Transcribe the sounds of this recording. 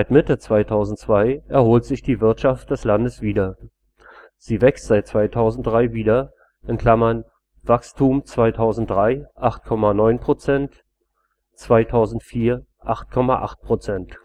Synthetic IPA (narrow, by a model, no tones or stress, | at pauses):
zaɪtmɪtət͡sv̥aɪtʰaʊzn̩tt͡sv̥aɪʔɛɐhoːltz̥ɪçd̥iːvɪɐtʃaft̚d̥ɛslandəsv̥iːdɐ | z̥iːvɛkstz̥aɪt̚t͡sv̥aɪtʰaʊzn̩t̚d̥ʁaɪviːdɐ | ʔɪnkl̥amɐn | vakstʰuːmt͡sv̥aɪtʰaʊzn̩t̚d̥ʁaɪʔaχt̚kʰɔmanɔʏnpʁ̥ot͡sɛnt | t͡sv̥aɪtʰaʊzn̩tfiːɐ | ʔaχt̚kʰɔmaʔa̰χt̚pʁ̥ot͡sɛnt